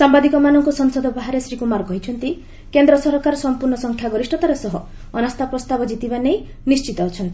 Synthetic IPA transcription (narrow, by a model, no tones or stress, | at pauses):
sambad̪ikɔmanɔŋkusɔŋsɔd̪ʱɔbaɦaɾesɾikumaɾkɔɦit͡ʃʰɔnt̪i | kend̪ɾɔsɔɾkaɾɔsɔmpuɾɳɔsɔŋkʰjaɡɔɾisʈɔt̪aɾesɔɦɔː | nast̪ʰapɾɔst̪abɔd͡ʒit̪ibanej | nist͡ʃit̪ɔːt͡ʃʰɔnt̪i